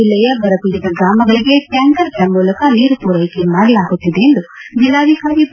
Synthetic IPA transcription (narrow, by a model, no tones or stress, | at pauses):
ilːɛjɐbɐɾɐpuɾid̪ɐɡɾaːmɐɡɐɭiɡeʈɐŋɡɐɾkːɐmuːlɐkɐniːɾupuːɾɐjkemaːɽɐlaːɡut̪ːid̪eːnd̪ud͡ʒilːaːd̪ikaːɾi